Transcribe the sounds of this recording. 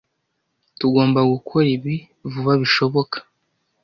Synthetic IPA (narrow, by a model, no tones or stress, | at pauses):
tuɡo̞ːmbaɡukʰo̞ɾiβi | vuβaβiʃo̞βo̞kḁ